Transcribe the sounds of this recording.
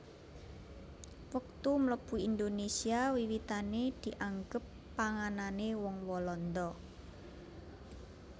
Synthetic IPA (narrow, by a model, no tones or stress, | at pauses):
wək̚t̪umləb̥ṳind̪onesiawiwit̪aned̪̥i̤ʔaŋɡəpːaŋananewɔŋwɔlɔnd̪ɔ